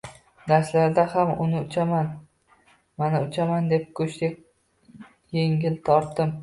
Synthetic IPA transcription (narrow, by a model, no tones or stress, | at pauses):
d̪aɾslaɾd̪ahamʊnɪʊt͡ʃʰaman | manɪʊt͡ʃʰamand̪e̞p̚kʰɵʃt̪ek̚ʲ | jeŋʲɪlt̪ʰɒɾt̪ːɪm